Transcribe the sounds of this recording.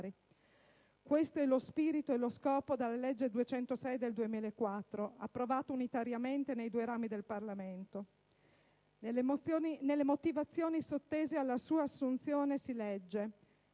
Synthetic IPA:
ɾi | kwest̪oɛlospiːɾit̪oɛloskɔːpod̪alːaled͡ʒːed̪uet͡ʃɛnt̪osɛjd̪eld̪uemiːlaekːwat̪ːɾoa̰pːɾovaːt̪ounit̪aɾjament̪enejd̪uːeɾaːmid̪elparlament̪o | inelːemot̪ivat̪sːjoːnisot̪ːeːzealːasuːaːsːunt̪sjoːnesilɛd͡ʒːe

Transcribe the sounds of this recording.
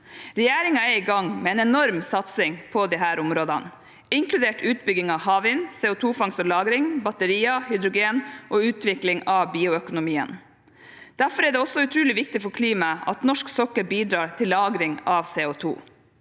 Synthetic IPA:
ɾɛjæːɾɪŋɑɛɾiɡɑŋmɛɛːnɛnɔɾmsɑt̪sɪŋpʰɔd̪ɪɦæːɾʔʊmɾoːd̪ɑn | ɪŋklʉd̪eːʈʉːt̪bʏɡɪŋɑʋhɑːʋɪnseːʊt̪ʰuːfɑŋsɔlɑːɡɾɪŋbɑt̪əɾiːɑhʏd̪ɾʊɡeːnʔoːʉːt̪ʰʋɪklɪŋɑʋbiːʊœkʊnʊmiːə̰n | d̪̥æɾfɔɾɛːɖ̪ɛɔsɔʉt̪ʰɾʉːlɪʋɪkt̪ɪfɔɾkʰliːmɑɑ̰t̪nɔʂksɔkːəɾbiːd̪ɾɑːɾt̪ʰɪlːɑːɡɾɪŋɑʋseːʊt̪ʰṵː

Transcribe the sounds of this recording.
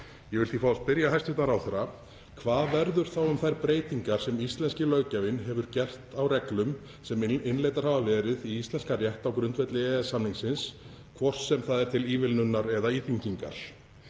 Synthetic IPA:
jɛɣvɪlθifast̪̚pɪɾjahajrst̪ʏht̪naɾawθɛɾːa | kʰvaːðvɛɾðʏɾ̥θawʏmθajɾpɾeːjt̪iŋkaɾ̥sɛmist̪lɛnscɪlœːɥcavɪnɦɛvʏɾcɛr̥t̪awrɛklʏm | sɛmɪnlejt̪aɾhavavɛːɾɪðiist̪lɛnskarjɛht̪awkɾʏnt̪vɛt̪lɪɛðsamniŋsɪns | kʰvɔr̥sːɛmθaðɛɾ̥t̪ʰɪliːvɪlnʏnːaɾɛðaiːθiɲciŋka̰ɾ̥

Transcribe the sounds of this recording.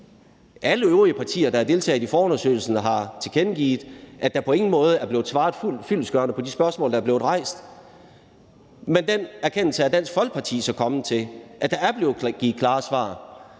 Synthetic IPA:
ʔæləøʊʁiəpʰɑ̈t͡sʰḭːɐd̥ɑæɐd̥e̝lt͡sʰɛ̰ːðˠifɒːɔnɐsø̰ɪl̩sən̩ɦɑ̈t͡sʰe̝kʰenɡ̥ḭːðˠʔæd̥ɑ̈pʰɒ̽e̝ŋn̩mɔ̽ːð̞ˠəæɐb̥le̝ːð̩ˠsʋɑ̈ːð̩ˠful̰fyl̰sɡ̥ɶɐnəpʰɒ̽disb̥ɶɐsmɔ̰̽ːldɑæɐble̝ːð̩ˠʁɑ̈ɪ̰sd̥ | mend̥enæɐkʰen̰l̩səæd̥æn̰sɡ̥fɒ̽lɡ̥̚pʰɑ̈t͡sʰḭːsɒ̽kʰɒ̽mət͡sʰe̝ʔæd̥ɑ̈æɐb̥le̝ːð̩ɡ̥iːð̩kʰlɑ̈ːsʋɑ̰̈ː

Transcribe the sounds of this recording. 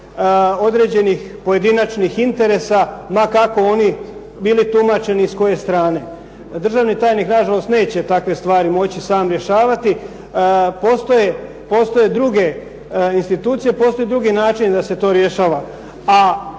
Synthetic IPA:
o̞d̪ɾe̞d͡ʑe̞nix | po̞je̞d̪inat͡ʃnixint̪e̞ɾe̞samakako̞o̞ni | bilit̪umat͡ʃe̞niːsko̞je̞st̪ɾaːne̞ | d̪r̩ʒaːʋnit̪aːjniknaʒalo̞st̪ne̞ːt͡ɕe̞t̪akʋe̞st̪ʋaːɾimo̞t͡ɕisaːmɾje̞ʃaːʋat̪i | po̞st̪o̞je̞ | po̞st̪o̞je̞d̪ɾuɡe̞ | inst̪it̪uːt̪sijepo̞ːst̪o̞jed̪ɾuɡinaːt͡ʃind̪ase̞t̪o̞ːɾje̞ʃaːʋa | a

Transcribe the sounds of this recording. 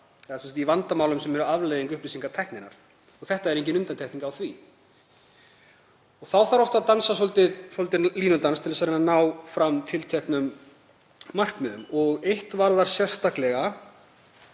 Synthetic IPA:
ɛðasɛmsat̪ivant̪amaːwlʏmsɛmɛɾʏavlejðiŋkʏhpliːsiŋkat̪ʰɛhknɪnːa̰ɾ̥ | ɔɣθɛht̪aɛɾehŋcɪnʏnt̪ant̪ʰɛhkniŋkawθvi | ɔɣθawθaɾɔwht̪aðt̪ansasɔlt̪ɪðsɔlt̪ɪnliːnʏnt̪anst̪ʰɪlas̬aɾɪnanaːwfɾamt̪ʰɪlt̪ʰɛhknʏmː | ar̥kmʏðʏmɔɣejht̪vaɾðaɾ̥sjɛ̥st̪aklɛɣa

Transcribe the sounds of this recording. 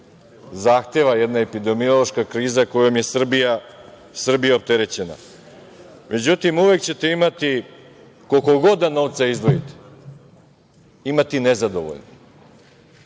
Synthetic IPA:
zaːxt̪e̞ʋajed̪naepid̪e̞mio̞lˠo̞ʃkakɾiːzako̞jo̞mje̞sr̩bija | sr̩bijaop̚t̪e̞ɾe̞t͡ɕe̞na̰ | mʔe̞d͡ʑut̪imuʋe̞kt͡ɕe̞t̪e̞imat̪i | kolko̞ɡo̞d̪ano̞ʋt̪saizd̪ʋo̞jit̪e̥ | imat̪inezad̪o̞̰ʋo̰ʎno

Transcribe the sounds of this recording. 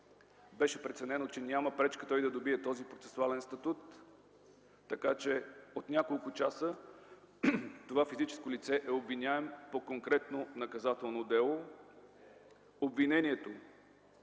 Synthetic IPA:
bɛʃɛpɾɛt̪sɛnɛnot͡ʃɛnʲaməpɾɛt͡ʃkət̪ɔjd̪ɐd̪obiɛt̪ɔzipɾot̪sɛ̥sualɛnst̪ɐt̪ut̪ | ɐkat͡ʃɛot̪nʲjakolˠkʊt͡ʃasə | t̪ovafizit͡ʃɛ̥skolit̪sɛʔɛobvinʲaɛmpokoŋkɾɛt̪nonɐkɐzat̪ɛlˠnod̪ɛlˠo | obvinɛnʲiɛt̪o

